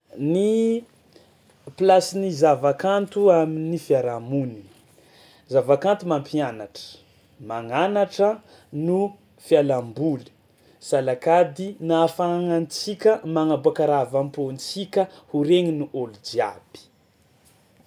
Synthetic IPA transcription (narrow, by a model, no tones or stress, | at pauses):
ni | plasinizavakant̪uaminifiaɾamuni̥ | zavakant̪umampʰianaʈ͡ʂə̥ | maŋanaʈ͡ʂə | nu | fjalambuli̥ | salakad̪inafaŋant͡sikʲəmaŋabuakaɾavampont͡sikʲəhuɾeŋinuʔolud͡ʒia̰b̥i̥